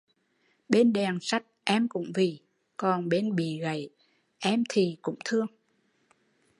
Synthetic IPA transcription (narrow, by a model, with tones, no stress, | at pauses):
ɓe˧nɗɛ˨˩ŋsa˦˥jk̚ʔɛ˧mkʊ̰˧˥ŋ͡mvi˨˩ | kɔ˨˩nɓe˧nɓḭ˧˨ɣə˧˩˨j | ʔɛ˧mt̪ʰi˨˩kʊ̰˧˥ŋ͡mt̪ʰɨ˧əŋ